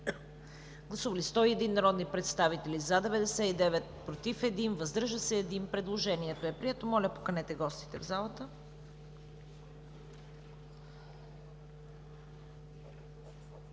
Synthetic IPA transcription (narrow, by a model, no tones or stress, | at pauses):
ɡlˠɐsuvɐlist̪ɔiɛd̪inːɐɾɔd̪nipɾɛt̪st̪avit̪ɛlizad̪ɛvɛd̪ɛsɛid̪ɛvɛt̪̚pɾot̪ifɛd̪invɐzd̪ɾʒəsɛːd̪inpɾɛd̪lˠoʒɛniɛt̪oɛpɾiɛt̪omɔlʲɐpo̥kɐnɛt̪ɛɡɔst̪i̥t̪ɛvzalˠɐt̪ə